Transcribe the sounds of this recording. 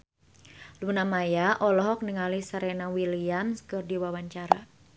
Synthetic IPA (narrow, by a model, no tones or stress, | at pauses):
lunamajaʔɔlɔɦɔk̚niŋalisaɾɛnawiliamskɨrdiwawaɲt͡ʃaɾa